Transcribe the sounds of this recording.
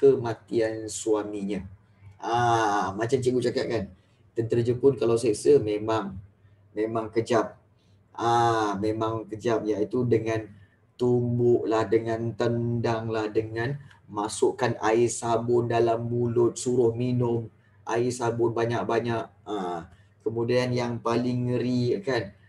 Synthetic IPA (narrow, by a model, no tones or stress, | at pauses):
kəmat̪iansuamiɲə | ʔamat͡ʃamt͡ʃəɡuʔ̚t͡ʃakat̪̚kan | t̪ənt̪əɾd͡ʒəpʊnkalawseʔsəmemaŋ | mẽmaŋkəd͡ʒap̚ | amẽmaŋkəd͡ʒap̚jait̪udəŋãn | t̪umbʊʔlahdəŋant̪əndaŋlahdəŋan | masʊʔkanaɪsabʊndalambulʊt̪̚suɾʊhminʊm | ʔa̰ɪsabʊnbaɲak̚baɲaʔ̚a | kəmudianjaŋpalɪŋːəɾikan